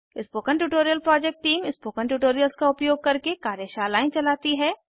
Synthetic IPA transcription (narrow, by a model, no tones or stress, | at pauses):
ɪspoːkə̃ɳʈuːʈoːɾijəlpɾɔːd͡ʒɛk̚ʈʈːiːmɪspoːkə̃ɳʈuːʈoːɾijəlskaʊpjoːɡ̚kɐɾkekaːɾjəʃaːlaːɪ̃t͡ʃɐlaːt̪iɦɛː